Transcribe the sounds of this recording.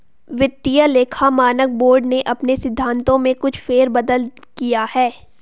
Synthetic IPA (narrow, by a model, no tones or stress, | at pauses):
ʋɪt̪ːijəleːkʰamaːnək̚boːɾɖneʔɐpnesɪd̪ʱːãːnt̪õmẽkʊt͡ʃʰfeːɾbɐd̪əl | kijahɛː